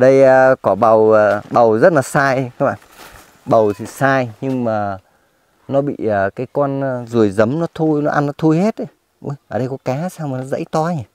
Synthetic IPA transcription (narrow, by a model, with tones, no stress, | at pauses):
ɗə˧jəː˧kɔ˨˩ɓə˨˩wəː˨˩ɓə˨˩wzə˦˥t̚laː˨˩saː˧jxə˨˦ŋ͡mʔa̰ː˧˨ | ɓə˨˩wt̪ʰi˧˩saː˧jɲɨ˧ŋmaː˨˩ | nɔ˨˦ɓḭ˧˨əː˨˩kaː˨˦jkɔ˧nː˨zu˨˩əjzə˨˦mnɔ˨˦t̪ʰu˧jnɔ˨˦ʔa˧nːɔ˨˦t̪ʰu˧jhe˦˥t̚ʔə˨˦j | ʔṵ˧jʔəː˨˩ɗə˧jkɔ˨˦kaː˨˦saː˧wŋ͡mmaː˨˩nɔ˨˦zə̰˧˥jt̪ɔ˧ɲa˨˩